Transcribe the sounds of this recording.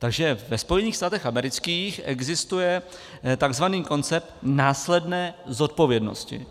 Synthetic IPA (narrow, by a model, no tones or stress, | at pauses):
t̪aɡʒɛvɛspo̞jɛniːxst̪aːt̪ɛxamɛɾɪt͡skiːxʔɛɡzɪst̪ujɛ | t̪aɡzvaniːko̞nt͡sɛp̚t̪naːslɛdnɛːzo̞t̪̚po̞vjɛdno̰scɪ̰